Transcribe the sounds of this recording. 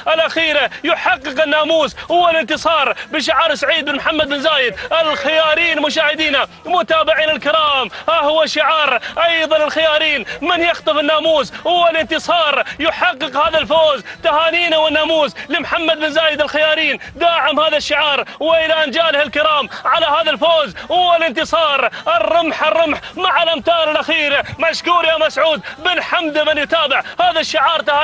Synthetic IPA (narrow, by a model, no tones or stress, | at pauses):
ʔɪlʔaxiːɾajʊħɑqːɨqɪnːaːmuːshʊwːalɪnt̪ɨsˤɑːɾˤbɪʃ̬ɪʕaːɾˤsaʕiːd̪̚bɪnmħamːad̪̚bɪnzaːjɪd̪ʔɪlxɪjaːɾiːnmʊʃaːhɪd̪iːna | mʊt̪aːbɪʕiːnɪlkɪɾɑːmhahʊwaʃɪʕɑːɾˤʔɑjðˤɑnɪlxɪjaːɾiːnmɪnjɪxt̪ˤɨfɪnːaːmuːshʊwːalɪnt̪ɨsˤɑːɾˤjʊħɑqːɨqhaːðalfoːzt̪ahaːniːnawɪnːaːmuːzlɪmħamːad̪bɪnzaːjɪd̪ɪlxajaːɾiːnd̪aːʕɪmhaːðaʃːɪʕɑːɾˤwɪʔɪland͡ʒaːlɪhɪlkɪɾɑːmʕalahaːðalfoːzhʊwːalɪnt̪ɨsˤɑːɾˤʔɪrːʊmħɪrˤːʊmħmaʕalʔamt̪aːɾˤɪlʔaxiːɾmaʃkuːɾjaːmasʕuːd̪bɪnħamd̪mɪnjʊt̪aːbɪʕhaːðaʃːɪʕɑːɾˤt̪ahaː